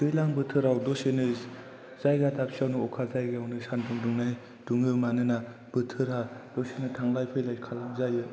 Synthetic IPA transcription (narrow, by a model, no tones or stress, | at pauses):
dɯjlaŋbɯtʰɯɾawdosenɯ | zajɡatʰapʰsiawnɯɔkʰazajɡaawnɯsanduŋduŋnaj | d̥uŋɯmanɯna | b̥ɯtʰɯɾhad̥osenɯtʰaŋlajpʰɯjlajkʰalaŋzajɯ